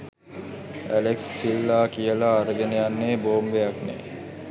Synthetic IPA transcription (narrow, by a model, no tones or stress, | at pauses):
æ̰leksːilːaːkijəlaːɾəɡenejanːeːboːmʋejaknḛː